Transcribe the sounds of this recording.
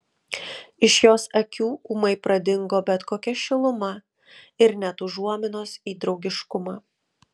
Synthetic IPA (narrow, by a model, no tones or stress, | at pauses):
ɪʃjoːsɐkʲuːuːmɐɪpɾɐd̪ʲɪŋɡoːbʲɛt̪koːkʲɛʃʲɪlˠʊmɐ | ɪɾnʲɛt̪ʊʒuɔmʲɪnoːsiːd̪ɾɒʊɡʲɪʃkʊmɑː